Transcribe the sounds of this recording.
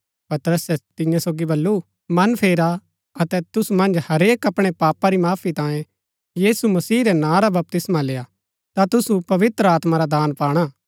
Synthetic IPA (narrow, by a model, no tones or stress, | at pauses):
pɐt̪əɾəsɛt̪ɪ̃jãsoːɡibɐlːu | mɐnpʰeːɾa | ɐt̪ɛt̪ʊsumɐ̃nd͡ʒhɐɾeːkɐpɽ̃epaːpaɾimaːpʰit̪ãːjẽ | jiːsumɐsiːɾɛnãːɾabɐp̚t̪ɪsmaleːa | t̪at̪ʊsupɐʋɪt̪ɾəaːt̪maɾad̪aːnpaːɽ̃aː